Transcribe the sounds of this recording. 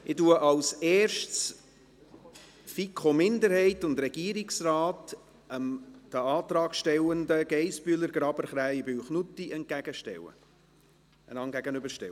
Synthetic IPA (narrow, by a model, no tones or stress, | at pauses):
ʔɪtuəʔɑlsɛːɾʃts | fikʰomɪndəɾhɛɪtʊndɾɛɡ̥iːɾɪksrɑːt | əmd̥əɑːt̪ɾɑːɡʃtɛwəndəɡ̥ɛɪspyələɾɡ̥ɾɑbəɾχɾæɪbyːχnutːiɛnt̚ɡ̥æɡ̥əʃtɛ̰wə̰ | ʔənɑŋɡæɡənʏbəɾʃtɛ̰